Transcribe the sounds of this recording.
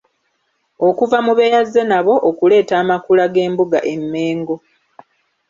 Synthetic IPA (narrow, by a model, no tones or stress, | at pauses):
o̞kuvamuβe̞jazːenaβo̞ʔokule̞ːtaːmakulaɡe̞ːmbuɡaʔe̞mːe̞ːŋɡo̞